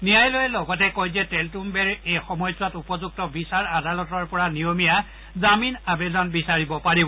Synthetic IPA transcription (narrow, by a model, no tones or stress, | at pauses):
nijajlojɛlɔɡɔtɛkojzɛtɛltumbɛɹejxɔmɔjswatupɔzuk̚tɔbisaɹadalɔtɔɹpɔɹanijomija | zaminabezɔnbisaɹibɔpaɹibɔ